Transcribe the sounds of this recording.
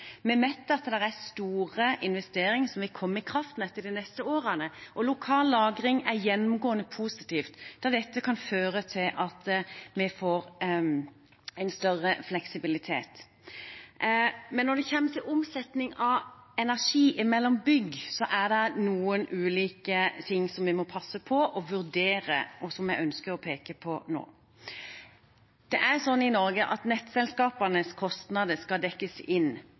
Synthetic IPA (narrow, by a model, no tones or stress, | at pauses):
mɛmɛt̪ːəɑt̪d̪ɛɾæst̪uːʁəʔɪnʋɛst̪eːɾɪŋəsɔmʋɪlkʰɔmːəɪkʰɾɑft̪n̩ɛt̪ːəɖ̪inɛst̪əoːɾənəʔɔlʊkʰɑːlːɑːɡɾɪŋæɾjɛnːʊmɡoːənəpʰuːsɪt̪iːft̪d̪̥d̪ɛt̪ːəkʰɑnføːɾət̪ʰɪlʔɑt̪mɛfoːɾ | ɛɪnst̪œʁːəflɛksɪbɪlɪt̪ʰḛːt̪ | mɛnːɔd̪ɛçɛmːət̪ʰɪlʊmsɛt̪nɪŋɑʋɛnæʁʂiːʔɪmɛlːɔmbʏɡsɔʔæd̪ɛnuːənʔʉːliːkət̪ʰɪŋːsɔmʋɪmɔpʰɑsːəpʰɔʔɔʋʉʁd̪eːɾə̰ɔsɔmjæɪʔœnskəɾɔpʰeːkəpʰɔno̰ː | d̪̥ɛʔæʁsɔnːɪnɔɾɡəʔɑt̪nɛt̪ːsɛlskɑːpənəskʰɔst̪nɑd̪əskɑd̪ɛkːəsɪn